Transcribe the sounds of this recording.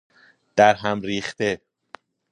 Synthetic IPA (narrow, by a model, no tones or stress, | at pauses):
d̪̥æɾɦæmɾiːχt̪e